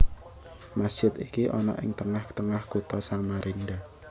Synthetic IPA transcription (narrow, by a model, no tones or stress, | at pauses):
masd͡ʒ̥ɪt̪ikiʔɔnɔ̰ʔɪ̰ŋt̪əŋaht̪əŋahkut̪ɔsamaɾʔinɖa